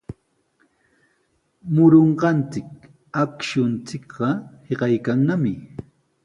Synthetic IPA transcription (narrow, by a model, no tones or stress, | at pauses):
mʊɾoɴɢɑnt͡sɪk̚ | akʃʊnt͡sɪkɢɑheɢɑjkaŋnamɪ